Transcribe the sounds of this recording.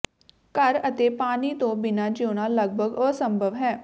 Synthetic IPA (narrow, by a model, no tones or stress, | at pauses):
kəɾət̪eːpaːniːt̪õːbɪnaːd͡ʒoːñaːləɡ̚bʱəɡɔːsəmbʱəʋɦɛː